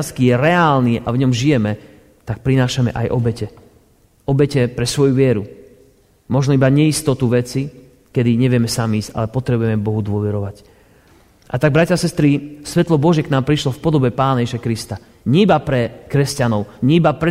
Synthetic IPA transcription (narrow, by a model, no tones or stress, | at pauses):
skijɛɾɛaːlniʔa̰vɲɔmʒijɛmɛ | t̪ak̚pɾinaːʃamɛ̰ʔa̰jʔɔbɛcɛ | ɔbɛcɛpɾɛsʋɔjuʋɪɛɾu | mɔʒnɔibaɲɛist̪ɔt̪uʋɛt͡si | kɛd̪iɲɛʋɪɛmɛsamiːsca̰lɛpɔt̪ɾɛbujɛmɛbɔɦud̪ʊɔʋɛɾɔʋac | ʔa̰t̪aɡ̚bɾacasɛst̪ɾisʋɛt̪lɔbɔʒjɛknaːmpɾiʃlɔfpɔd̪ɔbɛpaːnajɛʒiʃakɾist̪a | ɲibapɾɛkɾɛscanɔʊɲiibapɾɛ